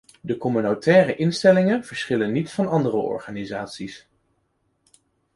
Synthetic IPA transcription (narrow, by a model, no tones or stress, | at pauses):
dəkɔmynotɛːrəʔɪnstɛlɪŋənv̥əɹsχɪlənːitfɑnɑndərəʔɔ̰ɹχaːnizaːtsis